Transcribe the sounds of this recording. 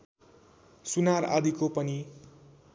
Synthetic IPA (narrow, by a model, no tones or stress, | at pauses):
sunaɾa̰d̪ikopʌni